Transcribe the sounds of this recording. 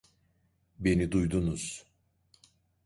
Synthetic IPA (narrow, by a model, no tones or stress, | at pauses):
be̞nid̪ujd̪unuz̥